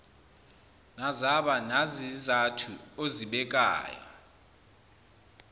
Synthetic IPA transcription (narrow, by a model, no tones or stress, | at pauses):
nazaɓanazizatʰuoziɓɛk̬ʼa̰ːjɔ̰